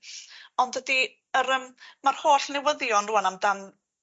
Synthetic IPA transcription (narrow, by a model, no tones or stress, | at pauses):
ɔndədi | əɾəmmarhoːɬnɛwəðjɔnruːanamdan